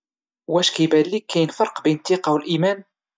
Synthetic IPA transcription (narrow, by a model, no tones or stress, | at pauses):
wæʃkibælːikːæjnfɑɾˤqbæjnt̪ːiqɑwəlʔimæn